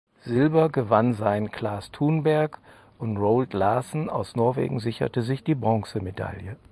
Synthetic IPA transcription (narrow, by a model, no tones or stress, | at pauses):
z̥ɪlbɐɡəvanzaɪnkl̥aːstʰuːnbɛɐk | ʔʊntʁoʊltlaːsn̩a̰ʊsnɔɐvḛːɡŋ̩zɪçɐ̰təzɪçd̥iːbʁɔŋsəmeda̰ljə